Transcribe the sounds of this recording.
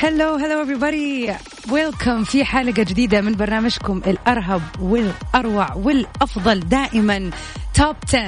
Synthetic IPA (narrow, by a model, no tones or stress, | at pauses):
haloːɦaloːʔɛvɾibɑd̪i | wɛlkʰamfiħaːlɪɡad͡ʒɪd̪iːd̪amɪnbɑɾˤnaːmad͡ʒkʊmʔɪlʔɑɾˤɦabwɪlʔɑɾˤwaʕwɪlʔɑfðˤɑld̪aːʔɪman | t̪oːb̚t̪ʰa